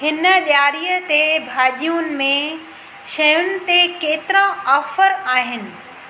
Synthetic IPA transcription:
hɪnəɗjaːɾijət̪ebʱaːʄijunɪ̆mẽ | ʃɐjʊnɪ̆t̪ekeːt̪ɪɾãɔːfəɾaːɦɪnɪ̆

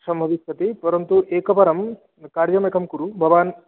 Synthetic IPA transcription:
sɐmbʱɐʋist̪ʰɐt̪ipɐɾɐnt̪uʔeːkɐpɐɾɐm | kaːɾjɐmeːkɐmkuɾubʱɐʋaːn

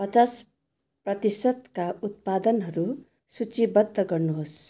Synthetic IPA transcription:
pʌt͡sas | prʌt̪isʌd̪̚kaut̪̚pad̪ʌnɦʌɾu | sut͡sibʌd̪ʱːʌɡʌrnuɦos

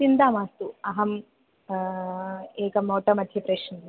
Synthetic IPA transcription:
t͡ʃind̪aːmaːst̪uɐɦɐm | eːkɐmɐwʈ̪ɐmɐd̪ʱjɐpɾeːʂn

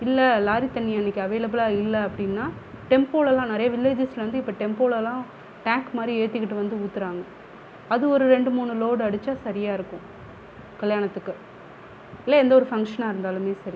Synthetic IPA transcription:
ɪlːɐlaːɾit̪ɐnːɪjaɪnːɪkːɐʋeːlɐbɪlaːɪlːɐɐpːɐɽɪnːaːʈɛmpoːɭɛlːãːnɐɾɐjɐʋɪlːeːd͡ʒɪslɐʋɐnd̪ɯɪpːoʈɛmpoːɭɛlãː | ʈaːŋkmaːd̪ɾieːt̪ːɪkːɪʈːɯʋɐnd̪ɯuːt̪ːɯɾaːŋɡɐ | ɐðɯɔɾɯɾɛɳɖɯmuːnɯloːɽɯɐɽɯt͡ʃːaːsɐɾɪjaːɪɾɯkːʊ̃ | kɐɭjaːnɐt̪ːɯkːɯ | ɪlːɐɛnd̪ɐɔɾɯfɐŋkʂɐnaːɪɾɯnd̪aːlɯmeːsɐɾi

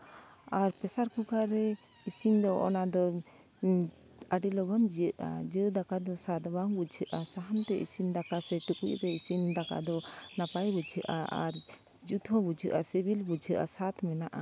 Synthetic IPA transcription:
aɾpɛsaɾkukaɾɛ | isind̪ɔʔɔ̰nad̪ɔ | aɖilɔbɔnd͡ʒijəʔad͡ʒəd̪akad̪ɔsat̪baŋbud͡ʒʰʱəʔasaɦant̪ɛʔḭsind̪akasɛʈukṵʔɾɛisind̪aka̰d̪ɔnapajbud͡ʒʰəʔa̰a̰ɾ | d͡ʒut̪ʰɔ̃bud͡ʒʰəʔasebilbud͡ʒʰʱəʔa̰sat̪mɛnaʔa

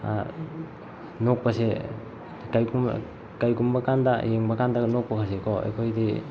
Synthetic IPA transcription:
a̰ | nok̚pase | kajkum | kajkumbakandajeŋbakandanok̚pakʰasekʰɔa̰jkʰojdi

